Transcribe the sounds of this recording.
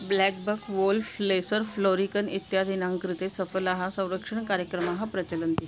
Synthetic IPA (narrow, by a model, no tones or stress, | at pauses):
blɛk̚bəkʰʋolflesəɾfloɾikənit̪jad̪inaŋkɾit̪esəfəlaɦãsə̃w̃ɾəkʂəɳkaɾjəkɾəmaɦapɾət͡ɕələnt̪i